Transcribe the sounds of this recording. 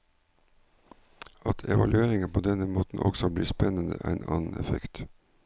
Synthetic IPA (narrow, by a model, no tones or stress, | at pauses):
ɑt̪ʰɛʋɑlʉeːɾɪŋəpʰoːd̪ɛnəmoːt̪n̩ʔɔ̰ksɔbliːspɛnənə̰ʔæ̰nʔɑ̰ːnn̩ɛ̰fɛkt̪